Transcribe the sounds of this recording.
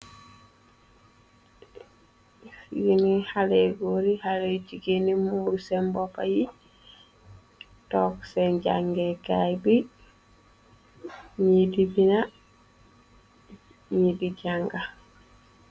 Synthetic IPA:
jinihaleɡoɾihaleciɡenimuːɾsembopa̰ji | tokseɲɟaŋɡekajbi | ɲidibina | ɲidiɟaŋɡa

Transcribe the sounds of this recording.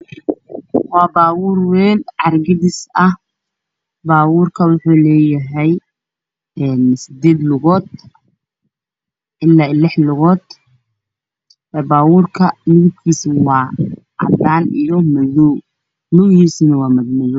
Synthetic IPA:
wɑːbaːwʊːrwɛːlʕɑrɡɪðɪsɐh | baːwuːrkʰɐwʊħuːlɛːjɐɦɛj | ɛːnsɪd̪ɛːd̪lʊɣɔːd̪̚ | ʔɪlːaːlɪħlʊɣɔːd̪̥ | ɛːbaːwuːrkʰɐlʊɣʊb̚kʰiːswɑː | ʕɑ̰d̪aːnḭjɔmɐðɔw | mʊwɣiːsnɐwɑːmɐdmɐðɔw

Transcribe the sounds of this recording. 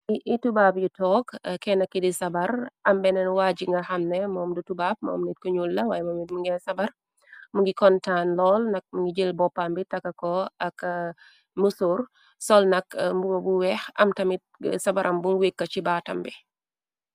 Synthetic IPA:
iʔitubaːp̚jutɔːkkɛnɐkːidisɐbɐɾɐmbɛnɛnwaːd͡ʒiŋɡɐxɐmnɛmɔːmdutubaːb̚mɔ̰ːmnit̚kuɲulːɐwajɛmɔitmuŋɡɛsɐbɐr | muŋɡikɔntanlɔːlnɐk̚muŋɡid͡ʒəlbɔpːambitɐkːɐkɔɐk | musuɾ | sɔlnɐkmbuɡobuwɛxɐ̰mtɐmit̚sɐbɐɾʔɐmbunwekːɐt͡ʃibaːtɐ̰mbi

